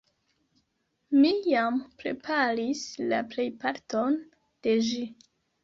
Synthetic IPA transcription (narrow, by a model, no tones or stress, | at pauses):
mijampɾe̞̰pʰaɾislaple̞jpaɾton | d̥e̞ʒi